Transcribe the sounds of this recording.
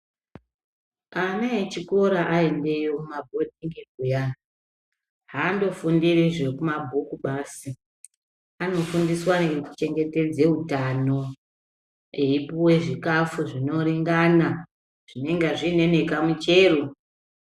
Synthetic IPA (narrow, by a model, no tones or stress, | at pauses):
anaet͡ʃiko̞ɾaʔae̞nde̞jo̞kumabʱo̞d̚ʱiŋɡeɡ̚ʱuja | ɦando̞fundiriʐekumabʱukuɓaːsi | ano̞fundiswaneɡeku̥t͡ʃe̞ŋɡe̞te̞d͡ze̞ɦutano̞ | eipuwe̞ʐikafuʐino̞ɾiŋɡana | ʐ̥ine̞ŋɡaʐine̞ne̞kamut͡ʃe̞ːro